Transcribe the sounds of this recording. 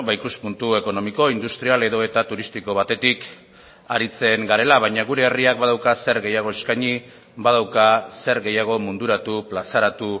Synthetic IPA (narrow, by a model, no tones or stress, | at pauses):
bajkuspunt̪ue̞ko̞no̞miko̞ind̪ust̪ɾiale̞ðo̞e̞t̪at̪uɾist̪iko̞β̞at̪e̞t̪ik | aɾit͡se̞ŋɡaɾe̞laβ̞ajɲaɣuɾe̞ːriak̚baðawkase̞ɾɣe̞jaɣ̞o̞e̞skaɲi | bað̞awkase̞ɾɣe̞jaɣ̞o̞mund̪uɾat̪uplasaɾat̪u